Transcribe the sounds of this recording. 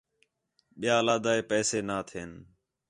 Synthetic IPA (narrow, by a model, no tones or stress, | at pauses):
ɓɪjaːlaːd̪aːeːpɛːseːnaːt̪ʰeːn